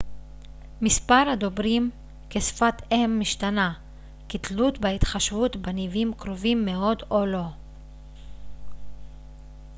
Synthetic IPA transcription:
mispaɾhad̪o̞bʁim | kesfat̪emːiʃt̪ana | kit̪lut̪beit̪χaʃvut̪banivimkʁovimːe̞o̞d̪o̞lo̞

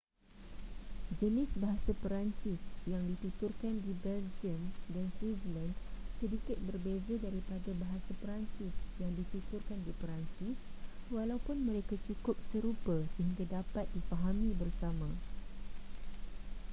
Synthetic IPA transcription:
d͡ʒənɪsbaɦasapəɾaɲt͡ʃɪsjaŋdit̪ut̪ʊrkandibɛld͡ʒiəmdanswizlandsədikɪt̪̚bərbezadaɾipadabaɦasapəɾaɲt͡ʃɪsjaŋdit̪it̪ʊrkandipəɾant͡ʃɪswalawpʊnmə̃ɾekat͡ʃukʊp̚səɾupasəɦiŋɡadapat̪̚difaɦamĩbərsamã

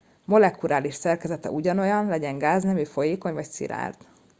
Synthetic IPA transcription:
mo̞lɛkuɾaːliʃsɛrkɛzɛt̪ɛ̰ʔuɟɒno̞jɒnlɛɟɛŋɡaːznɛmifo̞jeːko̞ɲvɒcsḭɾa̰ːrt̪

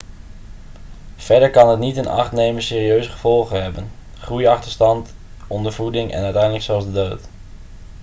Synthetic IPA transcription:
v̥ɛɹdəɹkɑnɦətnitɪnɑ̰χtnejmənsɪːriøɥzəχəv̥ɔlˠχənɦɛbən | χrujɑχtəɹstɑnt | ɔndəɹvudɪŋʔɛ̰nœɥtɛjndələksɛlˠzdədowt

